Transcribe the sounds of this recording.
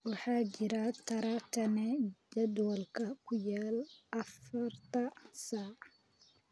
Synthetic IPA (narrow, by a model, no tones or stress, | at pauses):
wɑħɑːt͡ʃɪɾat̪ʰɐɾɐt̪ʰɐnɛd͡ʒɐd̪wɔlkʰɐkʰʊjaːlʔɐfɐrt̪ʰɐsaː